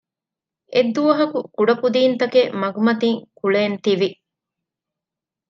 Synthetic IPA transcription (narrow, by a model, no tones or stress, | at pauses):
ʔed̪ːuʋɐɦɐkukuɖɐpud̪iːnt̪ɐkemɐɡumɐt̪iŋkuɭeːnt̪iʋi